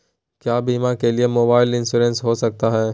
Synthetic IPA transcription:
kjaːbiːmakeliemoːbaːɪlɪ̃nsuːɾə̃nsɦosɐk̚t̪aɦɛː

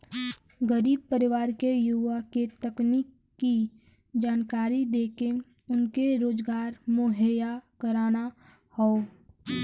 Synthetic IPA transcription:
ɡəɾiːb̚pəɾɪʋaːɾkejuʋaket̪əkniːkː | i | d͡ʒaːnkaːɾid̪eːke | ʊnkeɾoːd͡ʒɡaːɾmoɦəjakəɾaːna | hɔo

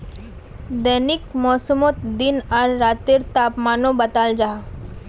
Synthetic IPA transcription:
d̪ɛːnɪkmɔːsəmot̪d̪ɪnɐɾːaːt̪ɪɾt̪aːpmaːnõbɐt̪aːld͡ʒaːɦ

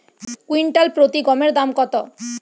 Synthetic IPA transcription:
kwiɳʈalpɾot̪iɡɔmeɾd̪amkɔt̪o

